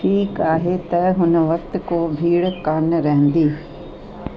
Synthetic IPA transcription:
ʈʰiːkaːɦet̪ɐɦʊnʋɐk̚t̪̆koːbʱiːɽkaːnɾɐɦə̃n̆d̪iː

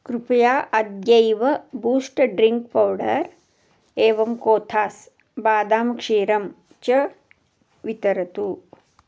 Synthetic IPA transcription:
kɾupɐjaːʔɐd̪jɐjʋɐbuːsʈɖɾiŋkpɐwɖɐɾ | eːʋɐmkoːt̪ʰaːs | baːd̪aːmkʂiːɾɐm | t͡ʃɐ | ʋit̪ɐɾɐt̪u

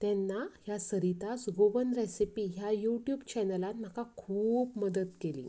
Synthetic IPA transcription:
t̪ɛnːaɦjasəɾit̪asɡoʋənɾesipiɦjajuʈjubt͡ɕɛnəlanm̤akakʰuːpməd̪ət̪kelḭ̃

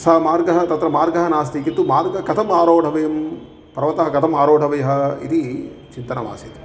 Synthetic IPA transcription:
sɐːmaːɾɡɐɦɐ̆t̪ɐt̪ɾɐmaːɾɡɐɦɐnaːs̬t̪ikit̪ːumaːɾɡɐkɐt̪ʰɐmaːɾoːɖʱɐʋɐjɐm | pɐɾɐʋɐt̪ɐɦɐkɐt̪ʰɐmaːɾoːʈʰɐʋɐjɐɦɐ̆ḭt̪it͡ʃint̪ɐnɐʋa̰ːsit̪i̥

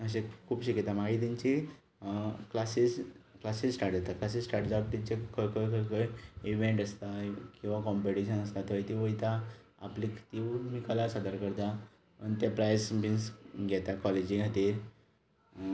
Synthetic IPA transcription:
əɕ̬ekʰuːbɕikit̪amaɡit̪ĩɲt͡ɕi | klasisklasissʈaʈd͡zat̪aklas̬issʈaʈd͡zap̚t̪it͡ɕekʰəkəjkəkəjiʋeɳʈəst̪akĩw̃ʋakɔmpeʈiɕənəst̪at̪ɦojt̪iʋəjt̪a | a̰plikʰt̪iʋmikəlasəd̪əɾkəɾt̪a | pəɳt̪epɾajsbinsɡʱɛt̪akɔled͡ʑĩŋɡʱat̪iːɾ

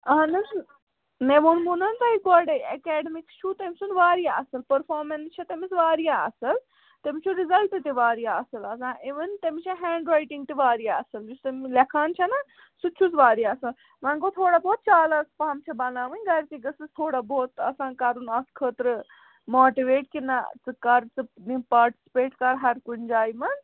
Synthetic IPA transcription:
ɐɐnɐ | neʋunmunɐnt̪ɐik̚bɔɾɖɐjɐkɛːɖəmikst͡ʃʰut̪emsunʋaːɾijaɐsɐlpɐɾfʰaːɾmɐnst͡ʃʰɐt̪emisʋaːɾijaɐsɐl | t̪emit͡ʃʰuɾizɐlʈit̪iʋaːɾijaɐsɐlɐsãːʔiʋɐnt̪emit͡ʃʰɐɦɛ̃ːɳɖɾaːjʈĩŋɡt̪iʋaːɾijaɐsɐld͡ʒust̪ɐmlɐkʰaːnt͡ʃʰɐnɐ | sut͡ʃʰusʋaːɾijaːɐsɐl | mɐ̃nkot̪ʰoːɽaboːt̪̚t͡ʃaːlɐspaːmt͡ʃʰɐbɐnaːʋɨnʲɡɐɾk̪iɡɐsizt̪ʰoːɽaboːt̪ɐsãːnkaɾunɐskʰəːt̪ɾɨ | moːʈiʋeːʈkinɐt͡sɨkɐɾt͡sɨnipaːɾʈi̥si̥peːʈkɐɾɦɐɾkund͡ʒaːjmɐn

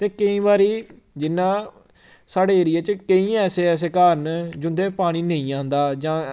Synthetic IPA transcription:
t̪eːkəĩːbaːɾiː | d͡ʒɪnːãː | saːɖeːɾɪjaːt͡ʃkəĩːɛːseːɛːs̬eːkaːɾənd͡ʒʊnd̪eːpaːɽ̃iːnəĩːãːnd̪aːd͡ʒãː

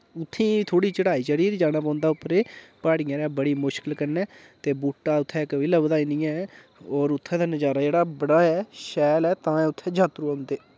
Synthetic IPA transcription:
ʊt̪ʰːĩːt̪ʰoːɽiːt͡ʃəɽaːiːt͡ʃəɾiːɾd͡ʒaːɽ̃aːp̬ãːnd̪aːʊpːəɾeːpaːɽiːãɾɛːbəɽiːmʊʃkəlkəɾnɛː | t̪eːbuːʈːaːʊt̪ʰːɛːɪkʋɪːlaːʋəd̪aːiːnĩːɛ̃ː | ɔːɾʊt̪ʰːɛ̃ːd̪aːnəd͡ʒaːɾaːd͡ʒeːɽaːbəɽaːɛːʃɛːlɛːt̪ãːɛ̃ːʊt̪ʰːɛːd͡ʒaːt̪ɾuːaːʊ̃nd̪eː

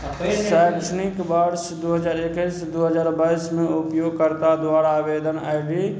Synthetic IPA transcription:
sajksnɪkbaɾsd̪uɦəd͡ʒaːɾekəjsd̪uɦəd͡ʒaːɾbaɪsmẽupjoɡkəɾt̪ad̪waːɾabed̪ənajɡi

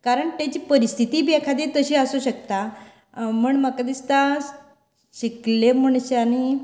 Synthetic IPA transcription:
kaɾəɳt̪jat͡ɕiːpəɾist̪ʰit̪iːbiɛkʰad̪et̪əɕiːəsuɕəkt̪a | m̤əɳməkad̪ist̪a | ɕiklem̤əɳ̃ɕani

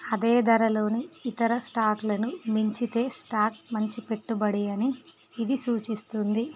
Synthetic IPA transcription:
ɐd̪e̞ːd̪ɐɾɐlo̞ːniit̪ɐɾɐsʈaːklɐnumiɲt͡ʃit̪e̞ːsʈaːk̚mɐɲt͡ʃipe̞ʈːubɐɽijɐniː | d̪isuːt͡ʃist̪und̪i

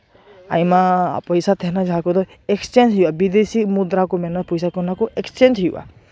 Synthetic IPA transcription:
ajmapɔjsat̪ʰɛnad͡ʒaɦakɔd̪ɔ | ekst͡ʃend͡ʒɦijbabid̪esimud̪ɾakɔmɛnɔpɔjsakɔnakɔʔekst͡ʃend͡ʒɦijwa̰

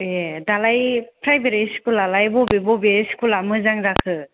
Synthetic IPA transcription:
edalajpʰɾajbeɾisi̥kulalajbɔbebɔbeɾisi̥kulamɯzaŋɾakʰɯ

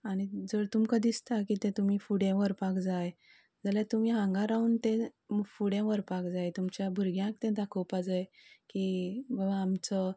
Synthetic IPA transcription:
aɽ̃id͡zəɾt̪umkəd̪ist̪akit̪ẽt̪um̤iːfuɽẽʋəɾpakd͡zaj | d͡zaljat̪um̤iːɦãŋɡãɾauːnt̪ẽmfuɽẽʋəɾpakd͡zajt̪umt͡ɕjabʱuɾɡjãkt̪ẽd̪akʰopad͡zajkibabaːmt͡sə

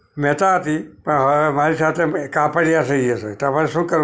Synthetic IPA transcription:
mɛt̪aɦət̪ipəɳɦəemaɾisat̪ʰekapəɽijaseieset̪apəɾeʃũːkəɾ

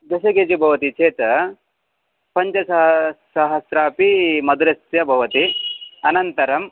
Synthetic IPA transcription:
d̪ɐʃɐkeːd͡ʒibʱɐʋɐt̪it͡ʃeːt̪ɐ | pɐɲt͡ʃɐsɐɦsɐɦɐsɾaːpimɐd̪uɾɐsjɐbʱɐʋɐt̪iɐnɐnt̪ɐɾɐm

